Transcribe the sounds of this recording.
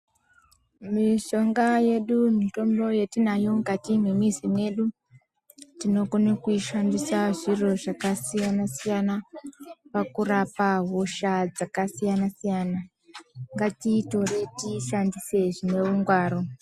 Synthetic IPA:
miʃo̞ŋɡaje̞ɗumito̞mbo̞je̞tinajo̞ŋɡatimimizimwe̞ɗu | tino̞konekuiʃandisaʐiro̞ʐakasijanasijana | pakurapaɦoʃad͡zakasijanasijana | ŋɡatito̞re̞tiʃandise̞ʐine̞uŋɡwaːɾo̞

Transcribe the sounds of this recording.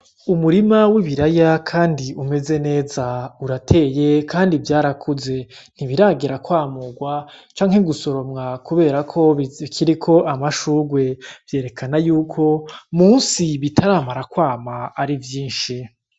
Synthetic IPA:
umuɾimawiβiɾajakʰaːndiʔume̞ze̞ne̞ːzauɾatʰe̞ːje̞kʰaːndivjaːɾakʰuze̞ | n̥hiβiɾaɡiɾakwaːmuɡwat͡ʃaːŋhe̞ɡuso̞ɾo̞mŋakʰuβe̞ːɾakʰo̞kʰiɾikʰo̞ʔamaʃuːɡwe̞v̥je̞ːɾe̞kʰanajuːkʰo̞muːnsiβitʰaɾaːmaɾakwaːmaːɾivjiːnʃi

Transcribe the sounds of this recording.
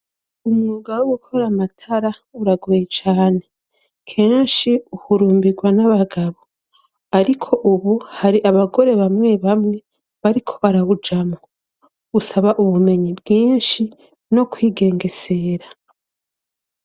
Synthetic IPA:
umŋuːɡawoɡukʰo̞ɾamatʰaɾauɾaɡojet͡ʃaːne̞ | kʰeːnʃiuhuɾuːmbiɡwanaβaɡaβo | aɾikʰo̞ʔuβuhaɾiʔaβaɡo̞ɾe̞βamŋe̞βamŋe̞ | βaɾikʰo̞βaɾaβud͡ʒamo | usaβaʔuβume̞ɲibɡiːnʃi | no̞kwiːɡe̞ːŋɡe̞se̞ɾa

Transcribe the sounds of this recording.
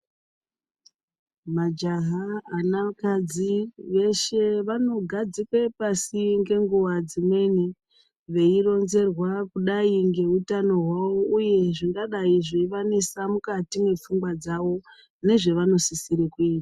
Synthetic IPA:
mad͡ʒaɦaːnakad͡ziʋe̞ʃe̞ʋano̞ɡʱad͡zikwepasiŋɡe̞ŋɡuʋad͡zimwe̞ni | ʋe̞iro̞nze̞rwakuɗaiŋɡe̞utano̞ɦwawo̞uje̞ʐiŋɡaɗaiʐeiʋanesamukatimwe̞p͡fuŋɡwad͡zaʋo̞ | ne̞ʐe̞ʋano̞sisiɾekuiːtḁ

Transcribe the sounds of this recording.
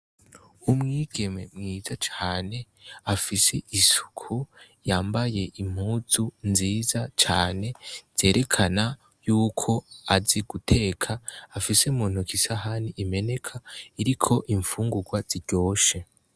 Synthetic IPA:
umŋiːɡ̥e̞me̞mŋiːzat͡ʃaaːne̞ | afise̞isu̥kʰu | jaːmbaje̞ʔim̥huːzunziːzat͡ʃaːne̞z̥e̞ːɾʔe̞kʰana | juːkʰo̞aziɡ̥utʰe̞ːkʰaːfisemuːn̥ukʰisaɦaniʔime̞ne̞kʰaiɾikʰo̞ʔiɱfuːŋɡuɡwaz̥iɾɟ̥o̞ːʃe

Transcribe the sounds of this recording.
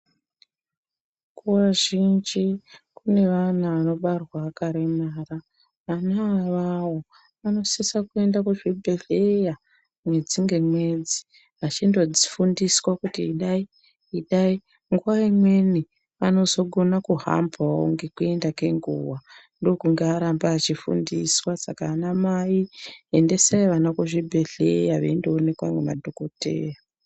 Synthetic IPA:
kʰuwaʒind͡ʒikune̞ʋanaʋano̞ɓarwaːkaɾemaːra | ʋanaːʋawo | ʋano̞sisakue̞ndakuʐibʱe̞ɮeja | mwe̞d͡ziŋɡe̞mwe̞d͡zi | ʋat͡ʃindo̞d͡zifundiswakutiːɗai | iɗai | ŋɡuwaimwe̞ni | ʋano̞zo̞ɡʱo̞nakuɦa̰mpʰao̰ŋɡekue̞ndake̞ŋɡṵwandokuŋɡeaɾambaːt͡ʃifṵndiswasakaːnamaiende̞saiʋanakuʐibʱe̞ɮḛjaʋḛindoːne̞kwaŋɡema̰dʱokotḛːja

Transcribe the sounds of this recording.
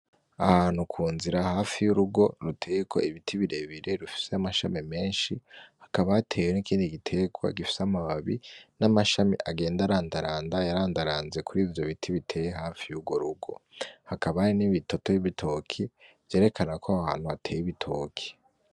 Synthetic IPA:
ahaːn̥ukʰuːnziɾahaːfijuɾuɡo̞ɾutʰe̞ːjekʰo̞̰iβitʰiβiɾe̞βiɾeɾufi̥seamaʃa̰mime̞ːnʃihḁkaβaatʰe̞ːwenikʰiːndiɡitʰe̞ɡwa̰ɡifi̥seamaβaβinamaʃamḭʔaɡe̞ːndaɾaːndaɾaːndajaɾaːndaɾaːnze̞kʰuɾiːvjo̞βitʰiβitʰe̞ːjeɦaːfijuɡo̞ɾuɡo̞̰hakaβaɾiniβito̞to̞jiβitʰo̞kʰiv̥je̞ːɾekʰanakʰoaha̰ːn̥huatʰe̞ːjiβitʰo̞ːkʰi̥

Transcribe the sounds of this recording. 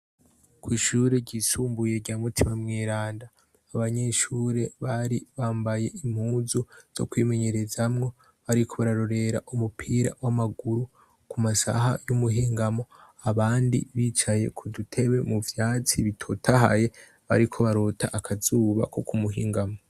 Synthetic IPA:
kwiːʃuːɾe̞ɟiːsuːmbuje̞ɟaːmutʰimamŋeːɾaːndaː | βaɲe̞ʃuːɾe̞βaɾiβaːmbaje̞im̥huːzuz̥o̞̰kwiːme̞ɲe̞ɾe̞zamŋo̞ | βaɾikʰo̞βaɾaɾo̞ɾe̞ɾa̰ʔumupʰiːɾa̰wamaɡuɾu | kumasa̰ɦa̰jumuɦiːŋɡamo̞ | aβaːndḭβiːt͡ʃaje̞̰kʰudutʰe̞βe̞muvjaːt͡siβitʰo̞tʰaɦa̰je̞ | βa̰ɾikʰo̞βaɾo̞ːtʰaʔakʰazuːβa̰ko̞kumuɦiːŋɡamo̞

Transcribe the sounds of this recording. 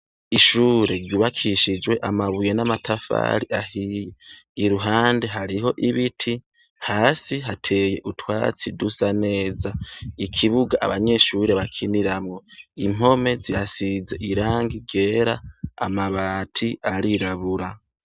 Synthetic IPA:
iʃuɾe̞ɾɟuβakʰiʃid͡ʒwe̞ʔamaβujenamatʰafa̰ːɾiʔahijeiɾuɦaːnde̞ɦaɾiɦo̞ʔiβitʰi | haːsiɦatʰe̞je̞ʔutʰwa̰ːt͡sidusane̞ːzaikʰiβuɡaʔa̰βaɲe̞ʃuɾe̞βakʰiniɾamŋo̞im̥o̞me̞ziasize̞ʔiɾaːŋɡiɡe̞ːɾa̰ːmaβaːtʰiaɾiɾaβuɾa

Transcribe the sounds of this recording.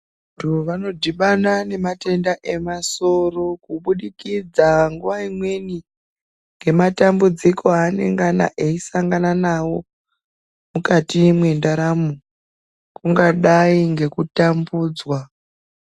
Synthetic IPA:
ndioʋano̞dʱiɓanane̞mate̞ndaʔe̞maso̞ro̞kuɓuɗikid͡zaŋɡuʋaimwe̞ni | ŋɡe̞matambud͡zikʰo̞ane̞̰ŋɡana̰ʔeisaŋɡananawo̞ | mukatimwe̞ndaɾamu | kuŋɡaɗaiŋɡe̞kutambuːd͡zwa

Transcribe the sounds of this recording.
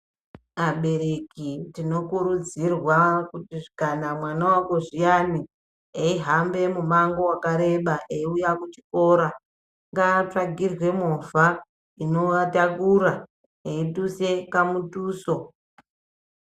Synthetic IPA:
aɓe̞ɾe̞kitino̞kuɾud͡zirwakutiʐikanamwanawako̞ʐijani | eiɦambe̞mumaŋɡo̞wakaɾe̞ɓaʔeiujakut͡ʃi̥ko̞ɾa | ŋɡaːt͡ʂaɡʱirwe̞mova | ino̞atakuɾa | eituse̞kamutuːso̞

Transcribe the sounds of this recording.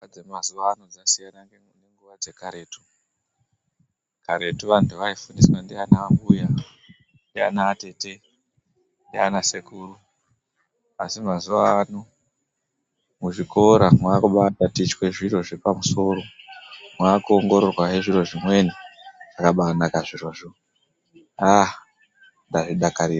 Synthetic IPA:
ad͡zemazuʋaːno̞d͡zasijanaŋɡeŋneŋɡuʋad͡ze̞kaɾe̞ːtu̥ | kaɾe̞tuʋantʰuʋaifundiswandianaːmbuja | ndia̰naːte̞te̞ | ndia̰nasekʰuːru | asimazuʋaːno | muʐikʰo̞ɾamwaːkuɓatatit͡ʃwe̞ʐiro̞ʐepamuso̞ɾo̞mwaːkuoŋɡo̞ɾo̞rwaɦeʐiro̞ʐimwe̞niakaɓaːnakaʐiroʐo | a | ndaʐiɗakaɾiːra

